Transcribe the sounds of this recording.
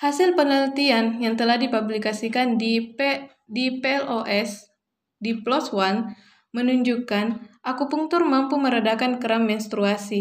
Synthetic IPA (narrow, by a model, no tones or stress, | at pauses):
hasilpənəlt̪ianjaŋt̪əlahdipublikasikandi | dipeɛlʔoʔɛs | diplɔswan | mənuɲd͡ʒukanʔakupuŋt̪ʊrmampuməɾadakankəɾamːɛnst̪ɾuasi